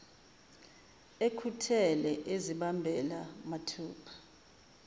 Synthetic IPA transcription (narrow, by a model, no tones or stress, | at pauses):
ekʰutʰɛlɛʔeziɓambʱɛlamatʰuːpʰḁ